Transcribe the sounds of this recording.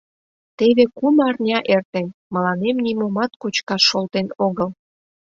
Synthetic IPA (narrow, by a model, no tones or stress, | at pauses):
t̪eβekumɑrnʲɑʔert̪enmə̆lɑnemnʲimomɑt̪kot͡ɕkɑːolt̪enoɣəl